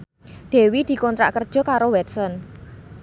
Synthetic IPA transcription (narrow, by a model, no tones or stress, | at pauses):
d̪̥e̤wid̪̥i̤kɔnt̪ɾa̰ʔkərd̥ʒ̥ɔ̤kaɾowɛt̪̚sɔn